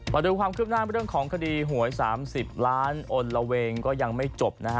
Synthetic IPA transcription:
ma˧duː˧kwaː˧mkʰɯː˥˩p̚naː˥˩˧ɾɯ˥˩əŋkʰɔː˩˦ŋkʰa˧diː˧ɦu˩˦əjsaː˩˦msi˨˩p̚laː˦˥nʔo˧nla˧we˧ŋkɔː˥˩ja˧ŋma˥˩jt͡ɕo˨˩p̚na˦˥˦

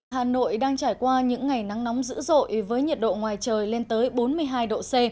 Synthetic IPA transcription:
haː˨˩no̰˧˨jɗaː˧ŋt͡ɕaː˧˩jkwaː˧ɲɨ̰˧˥ŋːa˨˩jna˨˦ŋnɔ˨˦wŋ͡mmzɨ̰˧˥zo̰˧˨jvəː˨˦jɲə˨˩t̚ɗo̰˧˨ŋwaː˨˩jt͡ɕəː˨˩jle˧nt̪əː˨˦jɓo˨˦nmɨ˧əjɦaː˧jɗo̰˧˨se˧

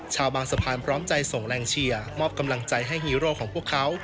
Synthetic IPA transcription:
t͡ɕʰaː˧wbaː˧ŋsa˧pʰaː˧npʰɾɔː˦˥mt͡ɕa˧jso˨˩ŋɾɛː˧ŋt͡ɕʰi˧ɐmɔː˥˩p̚ka˧mla˧ŋt͡ɕa˧jɦa˥˩jhiː˦˥ɾoː˥˩kʰɔː˩˦ŋpʰu˥˩əkʰːa˦˥w

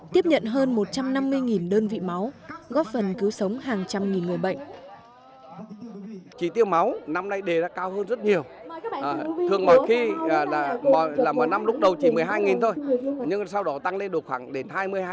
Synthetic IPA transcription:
t̪i˦˥əp̚ɲə̰˧˨nɦəː˧nmo˨˩t̚t͡ɕa˧mna˧mːɨ˧əjŋi˨˩nɗəː˧nvḭ˧˨ma˨˦wɣɔ˦˥t̚fə˨˩nki˨˦wsə˨˦wŋ͡mɦaː˨˩ŋt͡ɕa˧mŋi˨˩nŋɨ˨˩əɓə̰˧˨jŋ̟ | t͡ɕi˧˩t̪i˧əwma˨˦wna˧mna˧jɗe˨˩zaː˧kaː˧whəː˧nzə˦˥t̚ɲi˨˩əw | t̪ʰɨ˨˩əŋmɔ˨˩xi˧˨˩laː˨˩mɔ˨˩laː˨˩mɔ˨˩na˧mlʊ˦˥k͡p̚ɗə˨˩wt͡ɕi˧˩mɨ˨˩əjɦaː˧jŋi˨˩nt̪ʰo˧jɲɨ˧ŋsa˧wɗɔ˨˦t̪a˧ŋle˧nɗɨ˨˩əkxwaː˧˩ŋɗe˨˦nhaː˧jmɨ˧əj

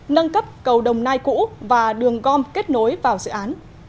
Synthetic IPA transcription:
nə˧nkə˦˥p̚kə˨˩wɗə˨˩wŋ͡mnaː˧jkṵ˧˥vaː˨˩ɗɨ˨˩əŋɣɔ˧mke˦˥t̚no˨˦jvaː˨˩wzɨ̰˧˨ʔaː˨˦n

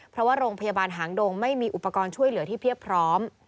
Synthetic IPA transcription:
pʰɾɔ˦waː˥˩ɾoː˧ŋpʰa˧jaː˧baː˧nɦaː˩˦ŋdoː˧ŋma˥˩jmiː˧ʔu˨˩pːa˧kɔː˧nt͡ɕʰu˥˩əjlɯ˩˦t̪ʰiː˥˩pʰi˥˩ək̚pʰɾɔː˦˥m

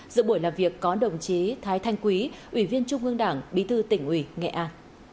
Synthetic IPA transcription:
zɨ̰˧˨ɓu˧˩əjlaː˨˩mvi˨˩əkːɔ˨˦ɗə˨˩wŋ͡mt͡ɕe˨˦t̪ʰaː˨˦jt̪ʰa˧jŋ̟kwi˨˦ʔwi˧˩vi˧ənt͡ɕʊ˧ŋ͡mʔɨ˧əŋɗaː˧˩ŋɓi˨˦t̪ʰɨ˧t̪ï˧˩ŋ̟ʔwi˧˩ŋɛ̰˧˨ʔaː˧n

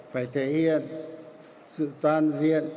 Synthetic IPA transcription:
faː˧˩jt̪ʰe˧˨˦hi˧˨ən | sɨ̰˧˨t̪waː˧nzi˧˨ən

